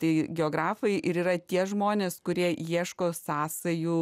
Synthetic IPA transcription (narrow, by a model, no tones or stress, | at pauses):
t̪ɐɪɡʲɛoːɡɾɑːfɐɪʔɪɾiːɾɐt̪ʲiɛʒmoːnʲeːskʊɾʲiɛjiɛʃkoːsɑːsɐju